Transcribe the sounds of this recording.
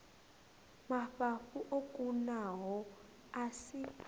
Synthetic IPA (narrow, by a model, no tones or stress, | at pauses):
maɸafuʔokʼunaɦɔ | asi